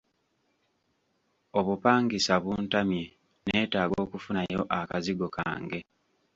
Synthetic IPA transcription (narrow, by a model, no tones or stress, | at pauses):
oβupaːŋɡisaβuːntami | ne̞ːtaːɡo̞ːkufunajo̞ʔakaziɡo̞ka̰ːŋɡe̞